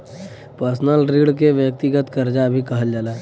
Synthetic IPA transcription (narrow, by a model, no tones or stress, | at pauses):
pəɾsnəlɾiɽk̬eʋjək̚t̪iɡət̪kəɾd͡ʒabʱikɐɦəld͡ʒaːlaː